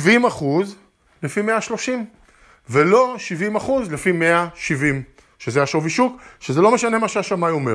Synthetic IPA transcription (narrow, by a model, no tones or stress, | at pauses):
ivimaχuz | lefimeaʃlo̞ʃim | velo̞ʃivimaχuzlefimeaʃivim | ʃezeajaʃoviʃukʃezelo̞meʃane̞maʃeaʃamajo̞me